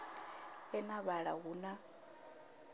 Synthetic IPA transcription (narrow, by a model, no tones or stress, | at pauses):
ɛnaβaɺaɦuna